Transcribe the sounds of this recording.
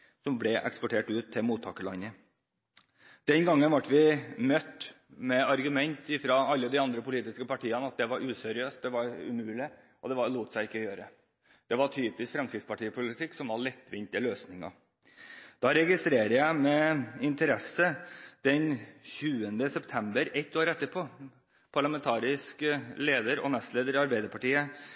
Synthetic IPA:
sɔmblɛʔɛ̰kspɔʈʰeːʈʉːt̪ʰːɪlmuːt̪ʰːɑːkəlɑ̰nːə | d̪̥ɛnɡɑŋːənʋɑʈːʋɪmœt̪ː | mɛɑɾɡʉmɛnt̪ɪfɾɑːɑlːəd̪ɪɑnd̪ɾəpʊliːt̪ɪskəpɑʈʰiːənəɑt̪̚d̪ɛʋɑɾʉːsɛɾɪøːst̪̚d̪ɛʋɑɾʉ̰mʉːlɪ | ʔɔd̪ɛʋɑɭuːt̪sæɪɪkːəjøːɾə | d̪̥ɛʋɑʈʰyːpɪskfɾɛmskɾɪfspɑʈiːəpʰʊlɪt̪ʰɪkːsɔmʋɑɭɛt̪ːʋɪnt̪ɪəløːsnɪŋɑ̰ | d̪̥ɑɾɛɡɪst̪ɾeːɾəjæɪmɛɪnt̪əɾɛsːəd̪̥ɛnçʉːənd̪əsɛpt̪ʰɛmbəɾɛt̪ːoːɾɛt̪ːəpʰoː | pʰɑɭɑmɛnt̪ʰɑːɾɪskleːd̪əɾɔ̰nɛst̪leːd̪əɾɪɑɾbæɪd̪əɾpʰɑʈiːə

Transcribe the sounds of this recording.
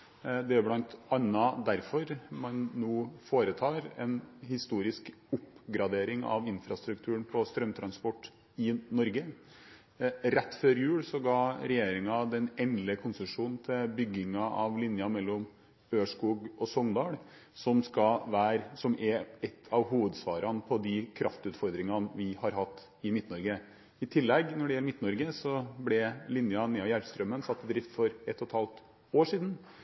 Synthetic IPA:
d̪ɛæɾblɑnt̪ɑnːɑd̪æɾfɔɾmɑnːuːfoːɾət̪ʰɑːɾɛnhɪst̪uːɾɪskʊpɡɾɑd̪eːɾɪŋɑ̰ʋɪnfɾɑst̪ɾʉkt̪ʰʉːənpʰɔst̪ɾœmt̪ʰɾɑnspɔʈː | ɪnɔɾɡə | ɾɛt̪ːføːɾjʉːɽsɔɡɑːɾɛjeːɾɪŋɑd̪ɛnɛnlɪəkʰʊnsəʂuːnn̩t̪ʰɪlbʏɡːɪŋɑʔɑʋlɪnjɑmɛlːɔm | øːʂkuːɡɔsɔŋd̪ɑːɽ | sɔmskɑʋæːɾsɔmɛɛt̪ʰːɑʋɦuːʋəd̪sʋɑːɾʔɑnpʰɔd̪ɪkʰɾɑft̪ʉːt̪fɔɾd̪ɾɪŋɑnʋɪhɑɾɦɑt̪ː | ɪmɪt̪ːnɔɾɡə | ɪt̪ʰɪlːɛɡnɔɖɛjɛlːəmɪt̪ːnɔɾɡəsɔblɛlɪnjɑnɛɑʋjæɾst̪ɾœmənsɑt̪ːɪd̪ɾɪft̪fɔɾɛt̪ʰːɔt̪ʰɑːlt̪ | oːʂiːd̪n̩

